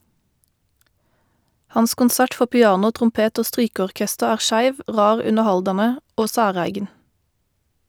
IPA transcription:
ˈhɑns kʊnˈsæʈ ˈfɔ pɪˈɑːnʊ tʁʊmˈpeːt ˈoː ˈstʁyːkəɔʁˌkɛstəʁ ˈæːʁ ˈʃæɪʋ ˈʁɑːʁ ˈʉnəʁˌhɑldɑnə ˈoː ˈsæːˌʁæɪɡn̩

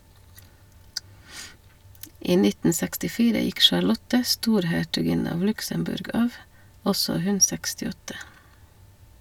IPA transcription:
ˈiː ˈnɪtn̩ sɛkstɪˈfiːɾə ˈjɪk ʃɑɾˈlɔtə ˈstuːɾhæʈʉˌɡɪnə ˈɑʋ ˈlʉksəmˌbʉɾɡ ˈɑːʋ ˈɔsɔ ˈhʉn sɛkstɪˈɔtə

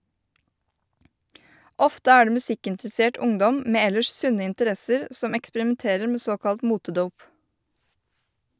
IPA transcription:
ˈɔftə ˈæː ˈɖeː mʉˈsɪkɪntɾɛˌseːʈ ˈʊŋdɔm ˈmeː ˈɛləʃ ˈsʉnə ɪntəˈɾɛsəɾ ˈsɔm ɛkspəɾɪmɛnˈteːɾəɾ ˈmeː ˈsoːkɑlt ˈmuːtəˌduːp

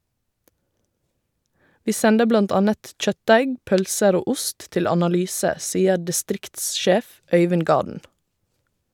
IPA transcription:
ˈʋiː ˈsɛndə ˈblɑnt ˈɑnət ˈc͡çœtˌdæɪɡ ˈpœlsəɾ ˈoː ˈʊst ˈtɪl ɑnɑˈlyːsə ˈsiːə dɪˈstɾɪktsˌʃeːf ˈœʏʋɪn ˈɡɑːdn̩

